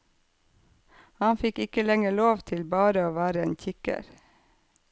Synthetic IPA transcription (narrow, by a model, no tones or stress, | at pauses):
hɑnfɪkɪkəlɛŋəɭoːʋt̪ʰɪlbɑːɾəoːʋæːɾəeːnçɪkə̰ɾ